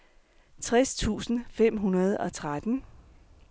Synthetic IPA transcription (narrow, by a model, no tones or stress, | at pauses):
t͡sʰʁɛst͡sʰṵːsn̩fem̰ɦunɐð̞ˠɒ̽t͡sʰʁad̥n̩